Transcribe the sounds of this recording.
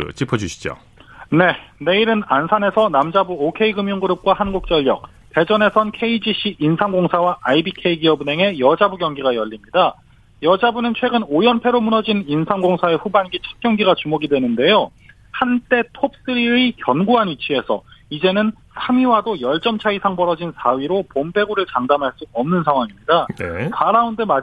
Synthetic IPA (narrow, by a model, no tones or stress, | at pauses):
t͡ɕ͈ʰipʰʌd͡ʑuɕʰi̥d͡ʑo̰ | ne̞ne̞iɾɯnansʰane̞sʰʌnamd͡ʑabuokʰe̞iɡɯmjuŋɡuɾɯp̚k͈waɦanɡuk̚t͡ɕ͈ʌʎːjʌk̚ | te̞d͡ʑʌne̞sʰʌnkʰe̞id͡ʑiɕ͈ʰiinsʰaŋɡoŋsʰawaʔaibikʰe̞iɡiʌbune̞ŋe̞jʌd͡ʑabuɡjʌŋɡiɡajʌʎːimɲida | jʌd͡ʑabunɯnt͡ɕʰwe̞ɡɯnojʌnpʰe̞ɾomunʌd͡ʑininsʰaŋɡoŋsʰae̞ɸubanɡit͡ɕʰʌ̥t̚k͈jʌŋɡiɡat͡ɕumoɡidwe̞nɯnde̞jo | hant͈e̞tʰop̚s͈ɯɾikjʌnɡuɦanit͡ɕʰie̞sʰʌ̰id͡ʑe̞nɯn | sʰamiwadojʌɭt͡ɕ͈ʌmt͡ɕʰaisʰaŋbʌɾʌd͡ʑinsʰaɥiɾopompʰe̞ɡuɾɯɭt͡ɕaŋdamɦaɭs͈uʌmnɯnsʰaŋɦwaŋimɲidakaɾaunde̞ma